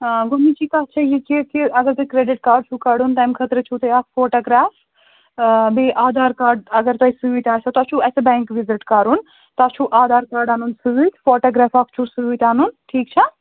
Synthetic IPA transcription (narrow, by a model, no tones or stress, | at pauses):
ɡunid͡ʒiːkaːɦt͡ʃʰɐjekekeɐɡɐɾt̪ɐkɾeːɖɪʈkaːɖt͡ʃʰukɐɖunʈ̪ajmkʰɐt̪ɾət͡ʃʰut̪ɐaːkfoːʈɐːɡɾaːf | beʔaːd̪aːɾkaːɾɖɐɡɐɾt̪ɐisuit̪ʲaːt͡ʃʰɐt̪ɐt͡ʃʰuɛsebɛ̃ːŋkʋizɪʈkaɾuːn | t̪at͡ʃʰuʔaːd̪aːɾkaːɾɖaːnuːnsuʋit̪foːʈɐːɡɾaːfakʰt͡ʃʰusuit̪ʲaːnunʈʰiːkt͡ʃʰɐ